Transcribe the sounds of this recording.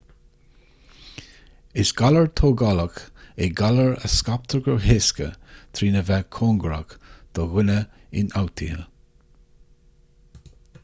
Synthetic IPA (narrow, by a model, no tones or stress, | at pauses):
ɪsɡ̥aləɹt̪ʰoːɡɑləkeɡaləɹə̰skap̚t̪ʰəɹɡəɦeskə̰t̪ʰɾiːnəvɛkʰoːŋɡəɾa̰kd̪̥ɔɣɪnəɪ̰nawt̪ʰihə